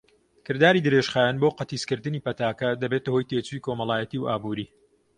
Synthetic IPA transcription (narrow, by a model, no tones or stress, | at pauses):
kʰɨɾd̪aːɾid̪ɨɾeʃχaːjanboːqɐt̪iːskɨɾd̪ɨniːpɐt̪aːkɐd̪ɐbet̪ɐho̞jt̪eːt͡ʃuikʰoːmɐlˠaːjɐt̪iːwaːbuːɾiː